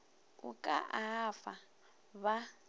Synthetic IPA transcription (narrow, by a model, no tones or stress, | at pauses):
ukʼa̰ʔaːfa | βa